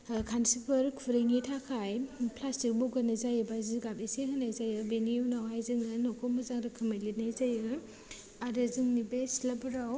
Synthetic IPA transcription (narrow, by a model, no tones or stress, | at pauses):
kʰansipʰɯɾkʰuɾiŋitʰakʰajpʰlastik̚bɔɡanazajɯbajziɡabesehɯnajzajɯbeniuwnawhajzɯŋnɯnɔkʰɔmɐzaŋɾɯkʰɯmajlit̚najzajɯ | aɾɯzɯŋnibesilabɾaw